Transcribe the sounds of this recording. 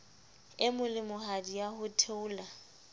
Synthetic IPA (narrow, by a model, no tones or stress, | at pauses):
ɪmʊlɪmʊhadijahʊtʰeʊːla